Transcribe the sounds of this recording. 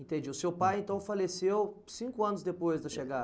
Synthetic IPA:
ẽt̪ẽd͡ʒiʊsewpajẽnt̪ɐ̃w̃falesewsĩkʊɐ̃nʊzd̪epojzd̪ɐʃeɡa

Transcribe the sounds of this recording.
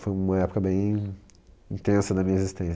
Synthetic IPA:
fojũmɐɛpʊ̥kɐbẽj̃ | ĩnt̪ẽsɐd̪ɐmĩɲɐezist̪ẽs

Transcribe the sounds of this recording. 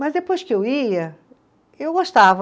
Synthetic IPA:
mɐzd̪epojskɪewiɐ | ewɡoʃt̪avɐ

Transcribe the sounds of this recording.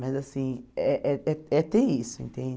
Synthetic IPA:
mazasĩɛʔɛɛɛt̪eisʊḛ̃nt̪ẽ

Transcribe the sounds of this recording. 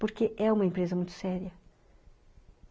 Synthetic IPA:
poɾkeʔɛũmɐẽmpɾezɐmũj̃t̪ʊ̥sɛɾiɐ

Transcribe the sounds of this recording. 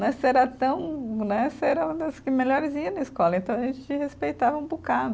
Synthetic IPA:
nɛ̃sɛɾɐt̪ɐ̃w̃nɛ̃sɛɾɐũd̪ɐskɪmeʎɔɾɪziɐ̃nɐiskɔlɐẽnt̪ɐ̃w̃ɐʒẽt͡ʃɪt͡ʃɪhespejt̪avɐũbukad̪

